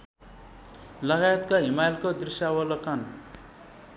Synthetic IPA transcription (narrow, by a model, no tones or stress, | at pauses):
lʌɣajet̪̚kaɦimajlkod̪risjawʌlʌkʌn